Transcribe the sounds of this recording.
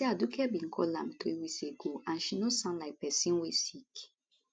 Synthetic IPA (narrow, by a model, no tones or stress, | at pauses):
eadukʰɛbĩn̩kʰɔ̰lã̰mt̪ɾiwikseɡoʔãnʃinosãnlaɪk̚pɛsĩnwesik